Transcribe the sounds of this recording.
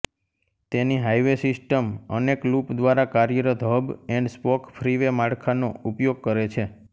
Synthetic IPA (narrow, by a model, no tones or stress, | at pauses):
t̪eniɦajʋesɪsʈəmə̰neklupd̪ʋaɾakaɾjəɾət̪ɦəbɛ̃ɳɖspɔkpʰɾiʋemaɽkʰanoupjoɡ̚kəɾet͡ʃʰe